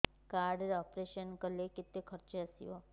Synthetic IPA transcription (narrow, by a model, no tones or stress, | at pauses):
kaɾɖɾeɔpɾeʃənkəleket̪ekʰəɾt͡ʃeəsḭo